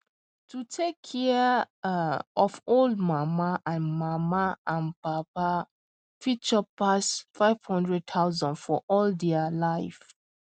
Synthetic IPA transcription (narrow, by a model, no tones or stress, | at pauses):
tʰutʰekʰːɛ | ɔfoldmamaʔãnmamaʔãnpapa | fit͡ʃɔpasfaɪv̥hɔ̃ndɹɛd̚t̪ʰaʊzɔ̃ndfɔʔɔldɛəlaɪf